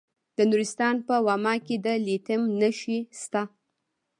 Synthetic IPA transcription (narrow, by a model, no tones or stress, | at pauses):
d̪̥ənuɾɪst̪ɑnpəwɑmɑked̪əlit̪ɪmnəʃist̪a